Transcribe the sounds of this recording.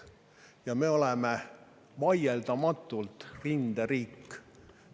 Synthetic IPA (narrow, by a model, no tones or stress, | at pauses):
jɑme̞o̞leme | vɑjeld̪̥ɑmɑt̪ːˑult̪rind̪̥eɾiːkː